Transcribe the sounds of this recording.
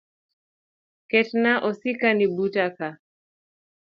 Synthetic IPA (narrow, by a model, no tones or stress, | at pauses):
kɛtnaʔɔsikanibutaka